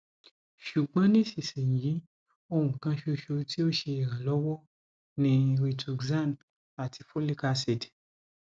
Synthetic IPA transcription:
ʃu˨ɡ͡bã˨˦nĩ˦si˨sĩ˨jiː˨˦ | o˧wũ˨kã˧ʃo˧ʃo˧ti˦o˦ʃe˧e˨ɾã˨lɔ˨˦wɔ˦ | nĩ˧ɾi˧tʰu˧ɡzã˦˨n | a˨ti˧fo˦li˦ka˧se˨d

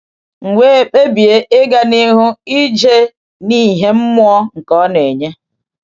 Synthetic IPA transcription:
ŋ̩˨ŋʷe˦e˨k͡pe˦bi˨e˦ʔe˦ɡa˨ni˦ɦʊ˦i˦d͡ʒe˦ | ni˦˨ɦe˦m̩˦mʊ˦ɔ˦ŋ̩˨kɔ˦ne˨ɲe˦

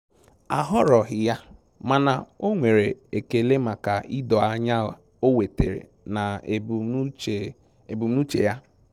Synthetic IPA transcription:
a̰˨ɦɔ˦ɾɔ˨ɦɪ˨ja˦ | ma˨na˨o˦ŋʷe˨ɾe˨e˨ke˨le˦ma˨ka˨i˦dɔ˨a˦ɲa˦a˨ | o˦we˨te˨ɾḛ˨ | na˨e˨be˨ | e˨bu˨m˦nu˦t͡ʃḛ˨ja˦

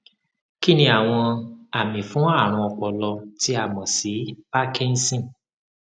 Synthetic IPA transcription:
ki˦nĩ˧˦a˨w̃ɔ̃˧a˨mĩ˨fũ˨˦a˦˨ɾ̃ũ˧ɔ˧k͡pɔ˨lɔ˧ti˨˦a˦˨mɔ̃˨si˨˦pa˦kĩ˦n̩˦sĩ˦˨

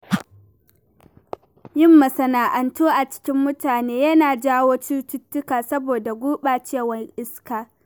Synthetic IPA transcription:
jɪ˦mːɐ˨sɐ˨naː˨ʔɐ˨ntoː˦ʔa˨t͡ʃɪ̥˦kʲɪ˦mːʊ˦taː˨neː˦jɐ˦naː˨d͡ʒaː˦woː˦t͡ʃu˦tʊ˦tːʊ˦kaː˨sɐ˦boː˨da˨ɡʷuː˦ɓaː˨t͡ʃeː˦˨wɐ˦ŋʔɪ˦skaː˨

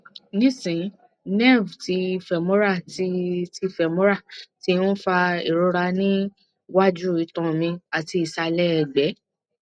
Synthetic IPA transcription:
nĩ˦sĩ˨˦ | nɛ˦˨vti˨˧˦fɛ˨mõ˦ɾa˦˨tti˧˨fɛ˨mo˦ɾa˦˨ti˨˧ũ˦fa˧e˨ɾo˧ɾa˧nĩ˦ | wa˦d͡ʒu˦˨i˨˧˦tɔ̃˧˨mĩ˧a˨ti˧i˨sa˧lɛ˦ɛ˧˨ɡ͡bɛ˨˦

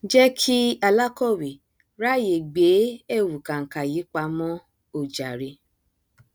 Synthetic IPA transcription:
d͡ʒɛ˦kʰi˦a˨la˦kɔ˦˨wi˨ | ɾa˦˨je˨ɡ͡be˨˦ɛ˦˨wu˨kã˨ŋ̩˨ka˨ji˨˦k͡pa˧mɔ̃˦ | o˨d͡ʒa˨ɾe˧

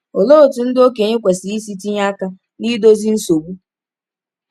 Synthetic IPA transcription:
o˨lo˦o˨tu˨n̩˦do˦ke˨ɲe˦kʷe˨si˨i˦si˦ti˦ɲa˦ka˦ | ni˦do˦zi˦n̩˦so˨bu˦

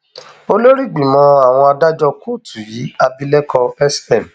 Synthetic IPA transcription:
o˧lo˦ɾi˦˨ɡ͡bĩ˨mɔ̃˨˧a˨w̃ɔ̃˧a˧da˦d͡ʒɔ˧ko˦˨tu˨ji˨˦a˧bi˧˦lɛ˦kʰɔ˧ɛ˦stɛ˦˨m

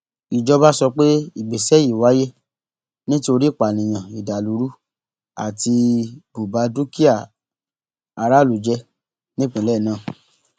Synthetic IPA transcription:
i˨d͡ʒɔ˧ba˦sɔ˧k͡pe˦i˨ɡ͡be˨sɛ˨˦ji˨wa˨˦je˦ | nĩ˦to˧ɾi˦˨k͡pa˨nĩ˨j̃ã˨i˨da˨lu˨˧˦ɾu˦ | a̰˨ti˧bu˨ba˨˦du˦ki˦a˦˨ | a˧ɾa˦˨lu˨d͡ʒɛ˧ | nĩ˦k͡pũ˧˦lɛː˦˨nãː˦˨

